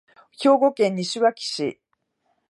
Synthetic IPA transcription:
ço̞ːɡo̞kẽ̞ɲ̟ːiɕɨβakʲi̥ɕḭ

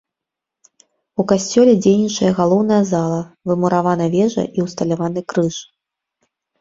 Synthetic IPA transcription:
ukasʲt͡sʲɔlʲɛd͡zʲejnʲit͡ʂɐjɐɣalˠɔwn̪ɐjɐzalˠɐvɨmuɾavanɐvʲɛʐɐ̰ʔiwst̪ɐlʲavanɨkɾɨʂ

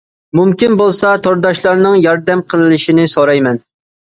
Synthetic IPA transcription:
mumkʲinbolˠsɑt̪ʰoɾd̪ɑʃlˠɑɾnɨŋjɑɾd̪ɛmqʰəlˠɨlɪʃinɪsoɾɑjmɛn

